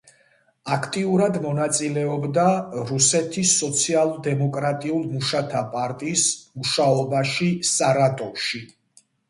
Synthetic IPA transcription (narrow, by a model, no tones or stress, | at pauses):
akʰt̪ʼiuɾad̪mɔnat̪sʼilɛɔbd̪aɾusɛt̪ʰisːɔt̪sʰialˠd̪ɛmɔkʼɾat̪ʼiulˠmuʃat̪ʰapʼaɾt̪ʼismuʃaɔbaʃisaɾat̪ʼɔfʃi